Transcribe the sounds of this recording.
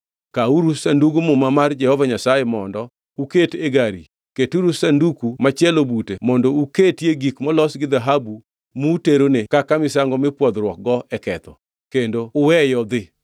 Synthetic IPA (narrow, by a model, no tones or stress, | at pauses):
kauɾusanduɡumʊmamard͡ʒɛhɔvaɲasajemɔndɔ | uketeɡaɾi | ketuɾusandukumat͡ʃjɛlobutemɔndɔuketjeɡikmɔlɔsɡɪd̪aɦabu | muteɾonekakamɪsaŋɡɔmɪpwɔd̪ɾwɔk̚ɡɔɛkɛt̪ɔ | kendoʊwɛjɔd̪ɪ